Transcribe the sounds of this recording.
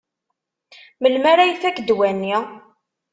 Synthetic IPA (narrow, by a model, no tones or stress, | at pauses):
məlmæɾæjθækd̪wænːi